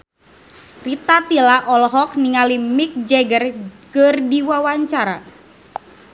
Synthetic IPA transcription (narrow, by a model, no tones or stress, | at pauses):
rit̪at̪ilaʔɔlɦɔk̚niŋalimik̚d͡ʒɛɡərkərdiwawaɲt͡ʃaɾa